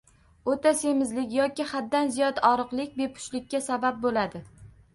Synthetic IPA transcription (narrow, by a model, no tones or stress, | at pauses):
ot̪ʰasemɪzlɪkʲjɒkʲɪhat̪̚ːanzijɒd̪ɒɾɨqlˠɪkʲbe̞pʰʊ̥ʃlɪkʲːasabap̚bolad̪ɪ